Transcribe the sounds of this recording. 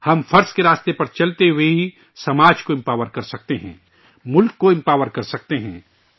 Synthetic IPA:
hɐmfʰɐɾskeɾaːst̪epɐɾt͡ʃɐlt̪eɦʊweɦi | sɐmaːd͡ʒkoɪ̃mpaːʋəɾkɐɾsɐk̚t̪eɦɛ̰̃ː | mʊlkːoɪ̃mpaːʋəɾkɐɾsɐk̚t̪eɦɛ̃ː

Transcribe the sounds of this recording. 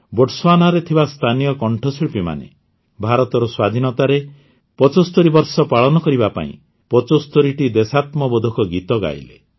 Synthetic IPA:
boʈswanaɾet̪ʰibast̪ʰanijɔkɔɳʈʰɔsiɭpima̰nḛ | bʱaɾɔt̪ɔɾɔswad̪ʱinɔt̪aɾe | pɔt͡ʃost̪oɾibɔɾsɔpaɭɔnɔkɔɾibapa̰ḭ̃ | pɔt͡ʃost̪oɾiʈid̪esat̪mɔbɔd̪ʱukɔɡit̪ɔɡa̰j̰le

